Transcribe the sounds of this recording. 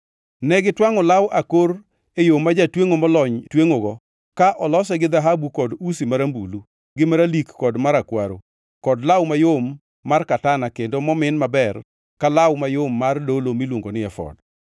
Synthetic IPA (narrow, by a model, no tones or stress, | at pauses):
nɛɡɪtwaŋɔlawʔakoɾ | ejomːad͡ʒatweŋomɔlɔɲtweŋoɡɔ | kaʔɔlɔsɛɡɪðaɦabukɔdusimaɾambulu | ɡɪmaɾalikːɔdmaɾakwaɾo | kɔdlawmajomː | arkatanakendomɔmɪnmabɛr | kalawmajomːardolomilwoŋɡonɪɛfɔ̰d